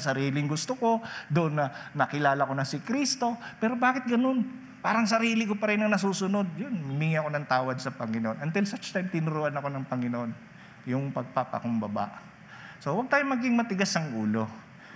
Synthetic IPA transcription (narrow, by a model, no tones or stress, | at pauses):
sɐɾiːlɪŋɡʊst̪oko̞d̪ʊʔonːɐnɐkɪlaːlɐko̞nɐsɪkɾist̪o̞pɛːɾo̞baːkɪt̪̚ɡɐno̞n | paːɾɐŋsɐɾiːlɪkopɐɾɛnɐŋnɐs̬uːsʊno̞d̪̚jonmʊmiŋiɐko̞nɐŋt̪aːwɐd̪̚sɐpɐŋɪnoʔonʔɐnt̪ɪlsɐt͡ʃt̪ajmt̪ɪnʊɾʊʔanɐko̞nɐŋpɐŋɪnoʔon | jʊŋpɐɡ̚papɐ̰kʊmbɐba̰ʔ | so̞wɐɡ̚t̪aːjomɐɡɪŋmɐt̪ɪɡasɐŋʔuːlo̞